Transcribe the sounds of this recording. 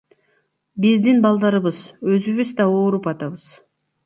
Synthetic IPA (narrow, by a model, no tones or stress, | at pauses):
bizd̪inbɑlˠd̪ɑɾɯβɯzø̞zyβyzd̪ɑoːɾupɑt̪ɑβɯz̥